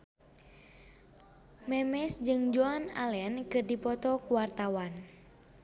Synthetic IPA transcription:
mɛmɛsd͡ʒɨŋd͡ʒɔana̰lɛnkɨrdipɔt̪ɔkuwart̪awan

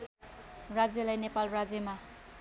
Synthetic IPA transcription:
rad͡zjelajnepalrad͡zema

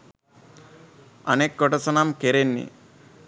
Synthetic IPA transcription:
ɐ̰neːkːɔʈɐsɐnaːmkeɾenːḭ

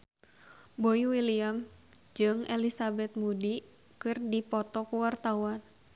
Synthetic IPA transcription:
boiwiliamd͡ʒɨŋɛlisabɛt̪̚mudi | kɨrdipɔt̪ɔkuwart̪awan

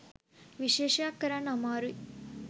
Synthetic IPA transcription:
ʋiʃeːʃaːkɐɾanamaːɾu

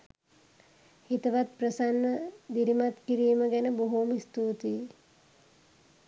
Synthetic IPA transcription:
hit̪əʋat̪̚prəsanːəd̪iɾimat̪kiɾiːməɡɛnəboɦumist̪uːt̪i

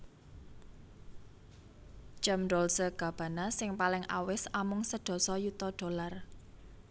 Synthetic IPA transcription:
t͡ʃəmdɔlsəɡ̥ä̤b̥ä̤nasɪŋpalɪŋʔa̰wɪsamʊŋsəɖ̪̥ɔ̤sɔjut̪ɔɖ̥o̤lar

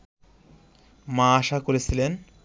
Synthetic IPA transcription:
mãaʃakoɾet͡ɕʰilen

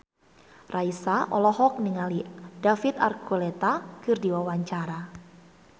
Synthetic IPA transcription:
raisaʔɔ̰lɔɦɔk̚niŋalidafit̪a̰rkulɛt̪akɨrdiwawaɲt͡ʃaɾa

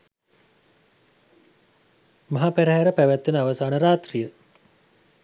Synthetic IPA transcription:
maɦapæɾəɦæɾəpæʋæt̪ːenəaʋəsaːnəɾaːt̪rijə

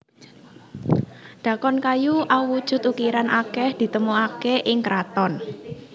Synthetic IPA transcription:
ɖ̪̥a̤kɔnkajuʔauwud̥ʒ̥ʊ̤t̪ukiɾanʔakɛhd̪̥i̤t̪əmuakeʔɪŋkɾat̪ɔn

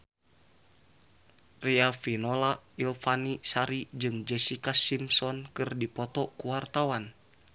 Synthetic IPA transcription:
riafinɔlailfanisaɾid͡ʒɨŋd͡ʒɛsikasimsɔnkɨrdipɔt̪ɔkuwart̪awan

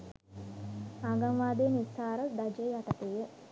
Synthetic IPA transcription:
aːɡaŋʋaːd̪eːnisaːɾəd̪ad͡ʒejaʈɐt̪eːjə

